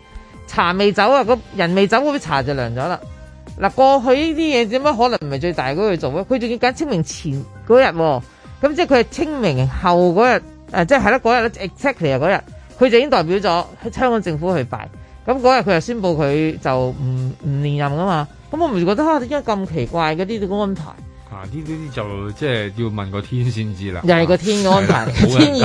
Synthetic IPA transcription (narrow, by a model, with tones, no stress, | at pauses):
t͡sʰaː˨˩me˨jt͡sɐ˨˥wa˧kɔ˧˥jɐ˨˩nme˨jt͡sɐ˨˥wkɔ˧t̪i˥t͡sʰaː˨˩t͡sɐ˨lœː˨˩ŋt͡sɔː˨˥laː˧ | lʔa̰ː˨˩kɔː˧ɦɵ˧liː˥t̪iː˥jɛː˨˧t̪iː˨˥maː˨˥ɦɔː˨˥lɐ˨˩ŋ̩˨˩mɐ˨jt͡sɵ˧ɥt̪aː˨jkɔ˨˥ɵ˧t͡so˨wlɛː˧˥kʰɵ˨˧ɥt͡sʊ˨ŋji˧kaː˨˥nt͡sʰɪ˥ŋmɪ˨˩ŋt͡sʰiː˨˩nkɔː˨˥jɐ˨t̚wɔː˧ | kɐ˨˦mt͡siː˥˨˩kʰɵ˧hɐ˨t͡sʰɪ˥ŋmɪ˨˩ŋhɐ˨wkɔː˨˥jɐ˨˩t̚ | ʔɛː˨t͡sɛː˥˩ɦɐ˨˩jlɐ˥kɔː˨˥jɐ˨t̚lɐ˧ɪ˨˩k̚sɛː˥k̚tʰli˨˩a˨kɔː˨˥jɐ̰˨˩t̚kʰɵ˨˧ɥt͡swjɪ˥ŋt̪ɔː˨˩jp̬i˨˥wt͡sɔː˨˥hɐ˨˥jt͡ʃʰœː˥ŋkɔ˨˥nt͡sɪ˧ŋfu˨˥hɵ˧pa̰ː˧˨j | kɐ˨˥mkɔː˨˥jɐ˨t̚kʰɵ˧t͡sɐ˨wsyː˥npo˧wkʰɵ˨˧ɥt͡sɐ˨wm̩˨˩m̩˨˩liː˨˩njɐ˨mkɐ˥maː˧ | kɐ˨˥mɔː˨˧m̩˨˩kɔ˧kt̪ɐ˥kʔaː˥˩˧jɪ˥ŋkɔ˨˧jkɐ˧mkʰe˨˩jkʷaː˧jkɔː˨˧t̪iː˥˧kɔ˧˥ɔː˥npʰa̰ː˨˩j | a̰˨˩t̪iː˥t̪i˧˥t̪iː˦˥t͡sɐ˨wt͡sɛː˥˩ji˧wmɐ˨nkɔ˧t̪ʰiː˥nsiː˥nt͡siː˥la̰˧jɐ˨hɐ˨˩kɔː˧t̪ʰiː˥nkɛː˨˧ŋɔː˥npʰa̰ː˨˩˧i˥˨